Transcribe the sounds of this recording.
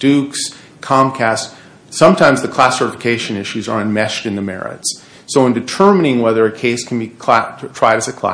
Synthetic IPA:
d̥ʉks | kʰɑ̃mkʰæst | sʌ̃mtʰãɪ̃mzðɨkʰl̥æsə˞ɾfɨkʰeɪʃɨ̃nɪʃʉzə̰˞ɨ̃nmɛʃtɨ̃nðɨmɛ̰ɹɪ̰ts | soʊə̃ndɨtʰɜ˞mɨnɪ̃ŋwɛðə˞ɨkʰeɪskʰn̩bikʰtʰɹ̥aɪɾɨzɨkʰl̥æ̰

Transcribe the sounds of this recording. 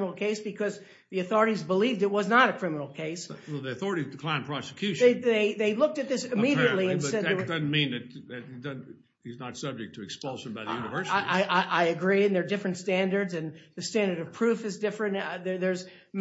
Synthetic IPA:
l̩ˠkʰeɪsb̥ɨkʰʌz | ðiɨθɔɹɨɾizbəlivdɨt̚wʌznəɾɨkʰɹ̥ɪ̃mnl̩ˠkʰeɪsˠðiɨθɔɹəɾizdkʰl̥ãɪ̃npʰɹ̥ɑsɨ̥kʰj̥ʉʃeðeɪðeɪlʊk̚tɨt̪̚ðɪsɨmiɾiɨʔˡliɨ̃nsɛd̪edʌzn̩mĩnðɨt̚ðɨt̚idʌz̩ | iznətsʌb̚d͡ʒɨk̚tʰɨɨkspʌlˠʃɨ̃n̩baɪððɨjʉnɨvɜ˞saɪiʔaɪʔaɪʔaɪɨɡɹiɨ̃nðə˞dɪfɹɨ̃ntstæ̃ndə˞dzɨ̃nðɨstæ̃ndə˞ɾʌv̥pʰɹ̥ʉfɨzdɪfɹɨ̃nðə˞ðə˞z | m

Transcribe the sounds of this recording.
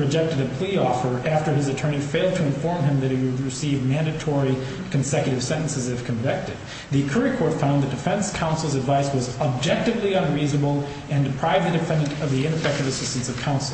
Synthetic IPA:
ɹɨd͡ʒɛk̚tɨɾɨpʰl̥iɔfə˞ʔæftə˞ɨzɨtʰɜ̃˞ñifeɪlˠd̚tʰɨɨ̃ɱfɔɹmɨ̃mðɨɾ̚hiwɨd̚ɹɨsivmæ̃ndɨtʰɔɹi | kʰɨ̃n̩sɛkjɨɾɨv̥sɛ̃ɾ̃n̩sɨzɨv̥kʰɨ̃ɱvɪk̚tɨd̪̚ | ðɨkʰɜ˞ikʰɔɹtfãʊ̃nðɨt̚d̥ɨfɛ̃nskʰãʊ̃nsl̩ˠzɨdvaɪswʌzəb̚d͡ʒɛk̚tɨvliʌ̃nɹiznəbl̩ˠ | ɨ̃ndɨpʰɹ̥aɪvɨdɨfɛ̃ndɨ̃ntʌvðiɪ̃nɨfɛk̚tɨvɨsɪstn̩sʌv̥kʰãʊ̃nsl̩ˠ

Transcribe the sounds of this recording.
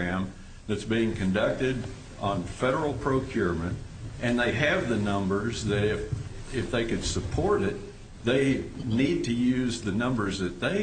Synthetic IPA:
æ̃m | ðɨtsb̥iɪ̃ŋkʰɨ̃ndʌk̚tɪɾ | n̩fɛɾə˞l̩ˠpʰɹ̥oʊkʰj̥ʊɹmɨ̃nt | ʔɨ̃nðeɪɨvðɨnʌ̃mbə˞zðɨɾɪfɪfðeɪkɨd̥səpʰɔɹɾɪt̪̚ | ðeɪnid̚tʰɨjʉzðɨnʌ̃mbə˞zðɨt̪̚ðeɪ

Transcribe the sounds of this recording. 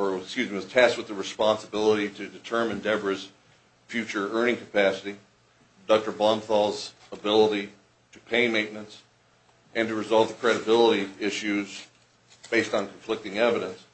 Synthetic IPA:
ə˞skjʉzɪ̃ŋɨz̥tʰæst̚wəðɨɹɨspɑ̃nsəbɪlˠəɾiɾɨdɨtʰɜ̃˞mɨ̃ndɛvə˞z̥ | fjʉt͡ʃə˞ɜ̃˞nɪ̃ŋkʰəpʰæsɨɾi | dʌk̚tə˞bɑ̃mθɔlˠz | əbɪlˠəɾi | ɾɨpʰeɪmẽɪ̃ʔmɨ̃nts | ʔɨ̃ntɨɹɨzɑlˠvðəkʰɹ̥ɛɾɨbɪlˠəɾiɪʃʉz | b̥eɪstn̩kʰɱflɪk̚tɪ̃ŋɛvɨɾɨ̃ns

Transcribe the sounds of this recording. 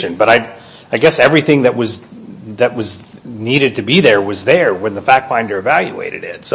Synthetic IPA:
ʃɨ̃nbʌɾaɪ | aɪɡɛsɛvɹiθɪ̃ŋðɨʔ̚wʌzðɨʔ̚wʌzniɾɨd̚tʰɨbiðə˞wʌzðə˞wɨ̃nðəfæk̚ʰãɪ̃ndə˞ɨvælˠjɨ̰ḛɪɾɨ̰ɾɪ̰tso

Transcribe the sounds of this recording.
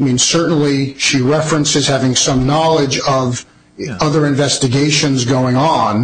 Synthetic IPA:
mĩnsɜ˞ʔn̩liʃiɹɛfɹɨ̃nsɨz̥hævɪ̃ŋsʌ̃mnɑlˠɪd͡ʒʌv | ʌðə˞ɨ̃ɱvɛstɨɡeɪʃɨ̃nzɡoʊɪ̃ŋə̃n

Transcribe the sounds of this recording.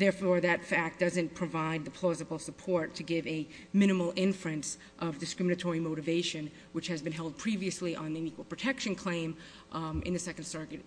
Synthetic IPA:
ðɛɹfɔɹðɨtfæk̚d̥ʌzɨ̃npʰɹ̥ɨvaɪd̪̚ðɨpʰl̥ɔzɨbl̩ˠsəpʰɔɹtʰɨɡɪvɨ | mɪ̃ñɨml̩ˠɪ̃ɱfɹɨ̃ns | ʔʌvdɨskɹɪ̃mɨnɨtʰɔɹimoʊɾɨveɪʃɨ̃n | wɨt͡ʃhɨzbɨ̃nɦɛlˠd̚pʰɹ̥iviɨsliʔə̃nðiɨ̃nikwl̩ˠpɹ̥ɨtʰɛkʃɨ̃nkʰl̥ẽɪ̃m | ɨ̰̃nðɨsɛknd̥sɑɹɡɨt̚

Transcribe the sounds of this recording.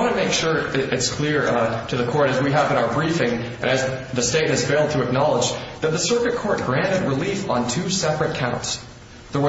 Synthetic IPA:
ɑ̃nɨmeɪkʃʊɹɨtskʰl̥ɪɹɾɨðɨkʰɔɹɾɨzwiɦævɨ̃ɾ̃aʊə˞bɹifɪ̃ŋ | ɨ̰̃nɨzðɨsteɪt̩̚ɨz̥feɪlˠd̚tʰɨɨk̚nɑlˠəd͡ʒðɨt̪̚ðɨsɜ˞kɨt̚kʰɔɹt̚ɡ̥ɹæ̃ntɨd̚ɹəlifn̩tʰʉsɛpɹɨt̚kʰãʊ̃nts | ðə

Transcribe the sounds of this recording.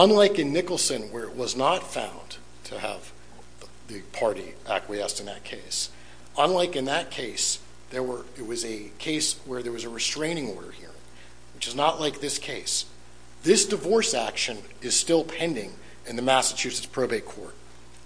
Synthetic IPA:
ə̃nlaɪkɨ̃nːɪkl̩ˠsɨ̃nwə˞ɨʔ̚wʌznətfã̰ʊ̃n | tʰɨə̰v | ðɨpʰɑɹɾḭ | ækʰwiɛstɨ̃nðɨ̰t̚kʰeɪs | ə̃nlaɪkɨ̃nðɨt̚kʰeɪs | ðə˞wə˞ɪt̚wʌzɨ | kʰeɪswə˞ðə˞wʌzɨɹɨstɹ̥ẽɪ̃ñɪ̃ŋɔɹɾə̰˞hḭɹɪ̰̃ŋ | wɨt͡ʃɨznəʔlaɪk̚ðɪskʰeɪs | ðɪsd̥ɨvɔɹsækʃɨ̃n | ɨz̥stɪlˠpʰɛ̃ndɪ̃ŋ | ɨ̃nðɨmæsɨt͡ʃʰʉsɨtspʰɹ̥oʊbeɪkʰɔ̰ɹt̚

